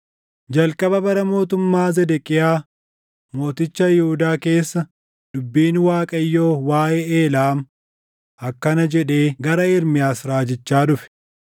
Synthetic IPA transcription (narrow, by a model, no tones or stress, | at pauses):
d͡ʒɐlkʼɐbɐbɐɾɐmo̞ːt̪ʊmːaːzɛd̪ɛkʼɪjaː | mo̞ːt̪ɪt͡ʃːɐjɪhud̪aːke̞ːsːɐ | d̪̥ʊbːiːnwaːkʼɐjːoːwaːjeːeːlaːm | ɐkːɐnɐd͡ʒɛᶑe̞ːɡɐɾɐɪɾmɪjaːsɾaːd͡ʒɪt͡ʃːaːᶑʊfɛ̥